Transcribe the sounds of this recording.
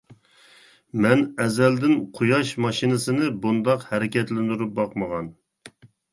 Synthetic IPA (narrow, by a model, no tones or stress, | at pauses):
mɛnɛzɛld̪ɪnqʰujɑʃmɑʃinɨsɨnɨbund̪ɑqhɛɾɪkʲɛt̪lɪnd̪yɾup̚bɑqməʁɑn